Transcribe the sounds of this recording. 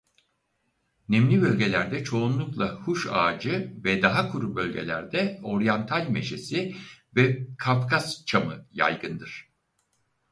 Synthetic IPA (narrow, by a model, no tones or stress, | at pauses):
nɛmlʲibø̞lʲɟe̞lʲæɾd̪ɛt͡ʃʰo̞unlˠuklˠahuʃa̰ːd͡ʒɯvɛd̪aɦakʰuɾubø̞lʲɟḛlʲæ̰ɾd̪ɛo̞ɾjant̪ʰalʲme̞ʃe̞sivɛkʰafkʰast͡ʃʰamɯja̰jɡɯnd̪ɯɾ̥